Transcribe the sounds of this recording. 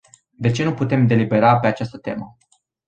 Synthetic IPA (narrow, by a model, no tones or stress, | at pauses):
d̪e̞t͡ʃe̞nuput̪e̞md̪e̞libe̞ɾape̞at͡ʃast̪ət̪e̞mə